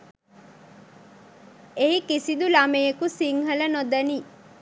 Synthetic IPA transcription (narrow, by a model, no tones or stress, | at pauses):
eɦikisid̪ulamejekusiŋɦələnod̪əni